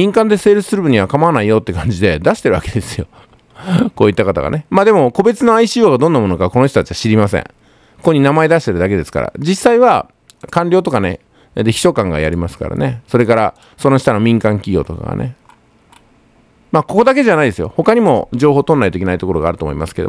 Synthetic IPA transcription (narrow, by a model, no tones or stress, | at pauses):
mʲĩŋkãnd̪e̞seːɾɯsɨ̥sɨɾɯbɯ̟ɲ̟iβakamaβanaijo̞t̪ːe̞kãɲ̟d͡ʑid̪e̞d̪aɕi̥t̪e̞ɾɯaked̪esɨjo̞ | ko̞ːit̪ːakat̪a̰ɡa̰ne̞maːd̪e̞mo̞ko̞be̞t͡sɨnoaiɕiːoːɡad̪õ̞nːamo̞no̞kaβko̞no̞ç̬ʲt̪ot̪ḁt͡ɕiβaɕiɾʲimasḛ̃ŋ | okoɲinamae̞d̪aɕ̬it̪e̞ɾɯ̟d̪ake̞d̪e̞sɨ̥ka̰ɾa̰d͡ʑisːaiβa | kãnɾʲo̞ːt̪̬o̞kane | d̪eçi̥ɕo̞kãŋɡa̰ja̰ɾʲimasɨ̥ka̰ɾa̰neso̞ɾe̞kaɾa | so̞noɕi̥t̪ano̞mʲĩŋkãŋkʲiɡʲjo̞̰ːt̪o̞̰ka̰ɡa̰ne̞̰ | maːko̞ko̞d̪ak̬e̞ʑanaid̪e̞sɨjo̞̰ho̞kaɲ̟imo̞d͡ʑo̞ːɦo̞ːt̪õ̞nːait̪oikʲenait̪o̞ko̞ɾo̞ɡa̰ːɾɯ̟t̪omo̰ḭma̰sɨ̥ke̞d̪o̰